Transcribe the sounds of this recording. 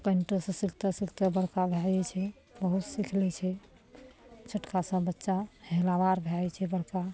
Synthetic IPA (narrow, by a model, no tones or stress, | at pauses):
pənʈəsə̃sikʰt̪əsikʰt̪əbəɽkabʱajɛt͡ʃʰɛ | bəɦut̪sikʰlɛt͡ʃʰɛ | t͡ʃʰəʈkasə̃bətːʃahelabaɾbʱɛat͡ʃʰɛbəɽka